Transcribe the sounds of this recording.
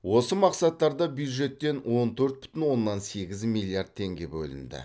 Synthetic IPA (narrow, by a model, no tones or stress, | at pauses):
wo̞səmɑqsɑt̪ːɑɾd̪ɑbjujd̪ʒe̞t̪ːe̞nwo̞nt̪ʰɵɾt̪̚bʏ̥t̪ɪnwo̞nːɑnse̞ɡʲɪzmilʲˠijard̪̚ʰe̞ŋɡʲe̞bɵ̰lɪ̰nd̪ɪ̰